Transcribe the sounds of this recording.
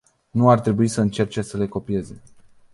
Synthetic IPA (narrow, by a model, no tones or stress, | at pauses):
nuart̪ɾe̞buisəɨnt͡ʃe̞rt͡ʃe̞səle̞ko̞pije̞ze̞